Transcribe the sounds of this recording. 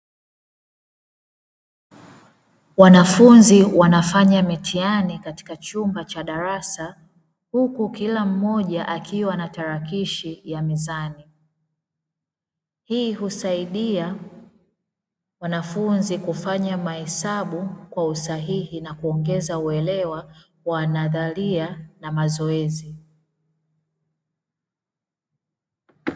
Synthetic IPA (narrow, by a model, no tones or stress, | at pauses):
wanafunziwanafaɲamitʰianikati̥kat͡ʃumbat͡ʃaɗaɾasa | hukukilam̩mɔʄaʔakiwanataɾakiʃijamizani | hiːɦusaiɗia | wanafunzikufaɲamahɛsaɓukwausaɦihinakuɔŋɡɛzauɛlɛwa | wanaðalianamazɔɛzi